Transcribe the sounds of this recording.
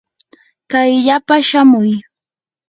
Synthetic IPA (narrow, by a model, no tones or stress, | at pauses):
kajʎapaʃamʊj